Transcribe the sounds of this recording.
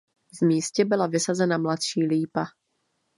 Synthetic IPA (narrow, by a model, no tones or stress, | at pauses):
vmiːscɛbɔlavɪsazɛnamlat̪ʃiːliːpa